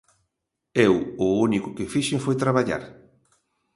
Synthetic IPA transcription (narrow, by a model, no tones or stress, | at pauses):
ewʊunikʊkɪfiʃɪŋfojt̪ɾaβaʎa̰ɾ